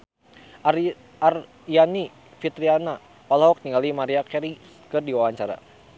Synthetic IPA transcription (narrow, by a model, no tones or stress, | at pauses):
ar | jani | fit̪ɾiana | palɦɔk̚niŋɡalimaɾiakɛɾi | kɨrdiwawaɲt͡ʃaɾa̰